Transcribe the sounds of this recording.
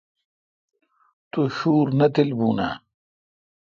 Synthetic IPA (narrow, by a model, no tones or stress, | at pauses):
t̪uɕuːɾnɐt̪ilbuːna̰ː